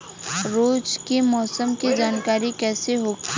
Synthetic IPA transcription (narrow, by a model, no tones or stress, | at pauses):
ɾoːd͡ʒkemɔːsəmkid͡ʒaːnkaːɾikɛːseɦoːɡi